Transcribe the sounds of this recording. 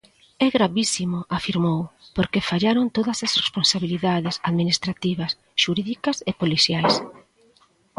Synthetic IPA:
ɛɣɾaβisimʊafiɾmowpoɾkefaʎaɾont̪oðɐsɐsresponsaβiliðaðɪsaðminist̪ɾat̪iβ̞ɐs | ʃuɾiðikɐsepoliθjajs

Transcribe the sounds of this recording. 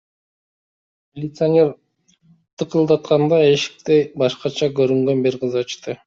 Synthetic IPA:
mʲilʲɪt̪sɨɐnʲe̞ɾ | t̪ʰɯqɯlˠd̪ɑt̪̚qɑnd̪ɑeʃi̥k̚t̪ebɑʃqɑt͡ʃʰɑkøɾyŋɡønbiɾqɯzɑt͡ʃt̪ɯ

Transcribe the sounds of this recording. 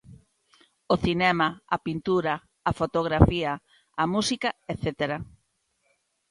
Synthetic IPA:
oθinɛmɐɐpint̪uɾɐː | fot̪oɣɾafiɐː | musikɐeθet̪eɾɐ

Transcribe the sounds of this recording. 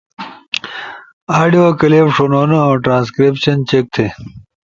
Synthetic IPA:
aːɾɖijokɐleːpʂonoːnooːʈɾãːnskɾepɕɐnt͡ɕek̚t̪ʰe

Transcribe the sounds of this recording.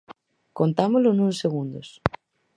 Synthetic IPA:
kont̪amolonũnseɣ̞und̪os

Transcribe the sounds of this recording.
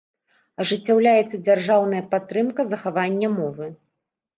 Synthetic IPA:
ɐʐɨt͡sʲːawlʲajɛt̪sːɐd͡zʲarʐawnɐjɐpat̪ːɾɨmkɐzɐxavanʲːɐmɔvɨ

